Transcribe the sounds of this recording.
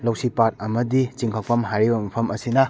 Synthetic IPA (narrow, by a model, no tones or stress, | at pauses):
lɐwsipat̚ɐmɐdit͡ʃiŋkʰak̚pɐmɦaɾibɐmɐpʰɐmɐsinɐ